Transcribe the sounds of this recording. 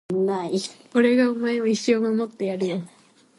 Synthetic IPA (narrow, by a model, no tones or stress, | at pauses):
mako̞ɾe̞ɡaomaemoiɕːoːmamo̞t̪ːe̞jaɾɯ̟jo